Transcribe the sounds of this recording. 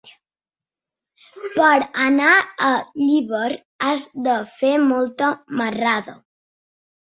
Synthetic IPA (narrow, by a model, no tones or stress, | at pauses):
pəɾənaəʎiβəɾ | azd̪əfemɔlˠt̪əməraðə̰